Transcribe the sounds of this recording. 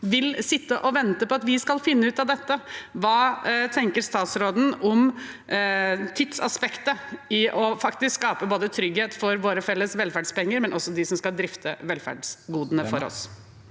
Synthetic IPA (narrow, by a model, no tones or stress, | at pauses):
ʋɪlsɪt̪ːəʔɔʋɛnt̪əpɔɑt̪ʋɪskɑlfɪnːəʉːt̪ɑʋd̪ɛt̪ːəʋɑːt̪ʰɛŋkəɾst̪ɑːt̪sɾoːd̪n̩ɔm | t̪ʰɪt̪sɑ̰spɛkt̪əɪʔɔfɑkt̪ɪskskɑːpəboːd̪ət̪ʰɾʏɡheːt̪fɔɾʋoːɾəfɛlːəsʋɛlfæɖspɛŋːəɾmɛnʔɔsːɔd̪ɪsɔmskɑld̪ɾɪft̪ʰəʋɛlfæ̰ɖsɡuːd̪ənəfɔɾɔ̰s